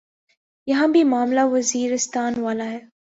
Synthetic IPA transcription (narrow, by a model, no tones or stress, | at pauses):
jɐɦãbʱimaːmlaʋɐziːɾɪst̪aːnʋaːlaɦɛː